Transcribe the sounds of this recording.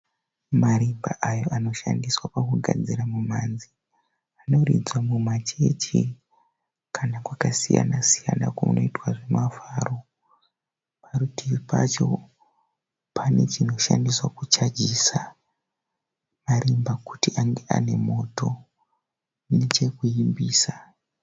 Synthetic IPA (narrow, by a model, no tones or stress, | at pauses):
maɾimba̰ʔajo̞ʔano̞ʃandiswapakuɡʱa̰d͡ziɾamumanzi | ano̞rḭd͡zwamumat͡ʃe̞t͡ʃi | kʰanakwakasija̰nasija̰na̰komuno̞itwaʐe̞mafaro̞ | paɾutiipat͡ʃo̞̰ | pʰane̞t͡ʃino̞ʃa̰ndiswakut͡ʃad͡ʒisa | maɾimbaku̥tiʔaŋɡe̞ʔa̰ne̞mo̞to̞ | ne̞t͡ʃe̞kuimbiːsa